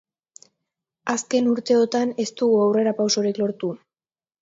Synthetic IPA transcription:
aske̞nuɾt̪e̞ot̪ane̞st̪uɣuawre̞ɾapawso̞ɾiklo̞ɾt̪u

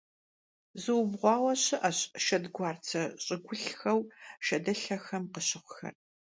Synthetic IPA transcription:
zɨwʊbʁʷɑːwɐɕɪʔaɕʃɐdɡʷɑːrt͡sʰɐɕʼɪɡʷʊɬxɐwʃɐdɐɬɐxɐmqəɕɪχʷʊxɐ̰r

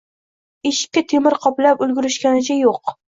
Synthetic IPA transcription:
eʃɪ̥kʲːat̪ʰemɪɾqʰɒplapʊlɡʲɪɾɪʃkʲanɪt͡ʃʰajoq

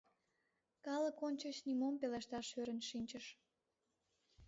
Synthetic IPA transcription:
kɑləkonʲt͡ɕət͡ɕnimompeleʃt̪ɑʃøɾənʃinʲt͡ɕəʃ

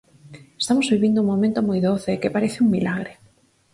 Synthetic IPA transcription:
est̪amozβiβind̪ʊuŋmomẽnt̪omojðoθɪːkɪpaɾeθɪuŋmilaɣɾɪ

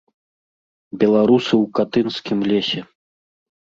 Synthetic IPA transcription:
bʲɛlˠaɾusɨwkat̪ɨnskʲimlʲesʲɛ

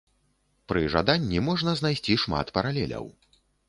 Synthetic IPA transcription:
pɾɨʐa̰d̪anʲːimɔʐnɐznajsʲt͡sʲiʂma̰t̪pɐɾalʲɛ̰lʲɐ̰w

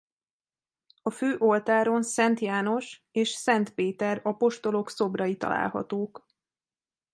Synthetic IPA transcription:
ɒføːʔo̞lt̪aːɾo̞nsɛnt̪jaːno̞ʃ | eːʃsɛnt̪peːt̪ɛɾɒpo̞ʃt̪o̞lo̞kso̞brɒjit̪ɒ̰la̰ːlɦɒ̰t̪oːk

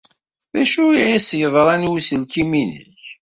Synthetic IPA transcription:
ðæʃuʕæsjəðˤɾˤænwusəlkiminə̰ç

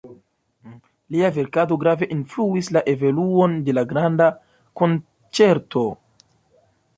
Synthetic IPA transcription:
liave̞ɾkado̞ɡɾave̞ʔinfluislaʔe̞voluonde̞laɡɾanda | ko̞n | t͡se̞ɾto̞

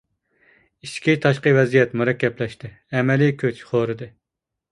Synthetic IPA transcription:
iʃkʲit̪ʰɑʃqəvɛzijɛt̪muɾɛkʲːɛplɛʃt̪ɪ | ɛmɛlikʲʰøt͡ʃχoɾɨd̪ɨ

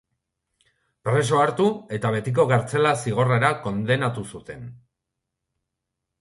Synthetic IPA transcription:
pɾe̞s̬o̞aɾt̪ue̞t̪aβ̞e̞t̪ik̬o̞ɣaɾt͡se̞lasiɣ̞o̞reɾako̞nd̪e̞nat̪usut̪e̞n

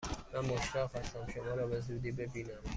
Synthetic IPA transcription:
mænmoʃɾæhæst̪æmʃomɒːɾɒːbezud̪iːbe̞biːnæm

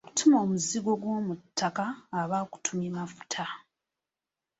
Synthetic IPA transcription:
oku̥tʰumo̞ːmuziɡo̞ɡwo̞ːmutʰːakaːβaku̥tʰumimafu̥tʰa

